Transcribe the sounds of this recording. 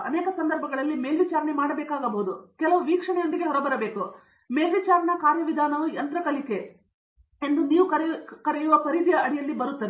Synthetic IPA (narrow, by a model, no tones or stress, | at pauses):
ɐneːkɐsɐnd̪ɐɾbʱɐɡɐɭɐlːimeːlʋit͡ʃaːɾɐɳemaːɽɐbeːkaːɡɐbɐɦud̪ukɛlɐʋuʋiːkʂɐɳɛjond̪iɡe̞ɦɔɾɐbɐɾɐbe̞ːku | meːlʋit͡ʃaːɾɐɳɐkaːɾjɐʋid̪ʱaːnɐʋujɐnt̪ɾɐkɐlike̞ | end̪uniːʋukɐɾkɐɾɛjuʋɐkɐɾid̪ijɐʔɐɽijɐlːibɐɾut̪ːɐʋe